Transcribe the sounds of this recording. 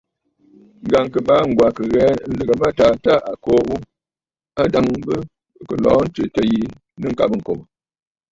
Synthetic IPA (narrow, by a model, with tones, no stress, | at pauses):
ŋ˦ɡa˨ŋ˨kɨ˨ba˨˦ŋ̩˨ɡwa˨kɨ˨ɣɛː˨˦n̩˦lɨ˨ɡa˨ma˦ta˨˦ta˦˨ʔa˨koː˦u˦ | a˦da˦ŋ˦bə˦˨ | kə˨lɔː˨˦n̩˦tɨ˨tə˨ji˦ | nɨ˦ŋ̩˨ka̰˨bŋ̩˨ko˨b